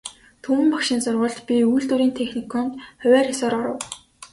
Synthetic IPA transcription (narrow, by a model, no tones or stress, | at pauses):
t̪ʰumɘ̆mpakʃiːnsʊrʁʊːɮt̪pʲiujɮt̪uɾiːnt̪ʰexnikʰɔnt̪χœwʲæːrxʲasɔːɾɔɾə̆w